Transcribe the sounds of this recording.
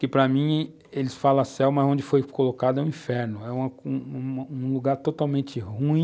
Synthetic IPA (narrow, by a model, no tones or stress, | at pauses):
kɪpɾɐmĩ | elɪsfalɐ̃sɛwmɐzõd͡ʒɪfojkolokad̪ʊɛũĩfɛɾnʊɛũmɐũũluɡaɾt̪ot̪awmẽnt͡ʃ̪ɪhũĩ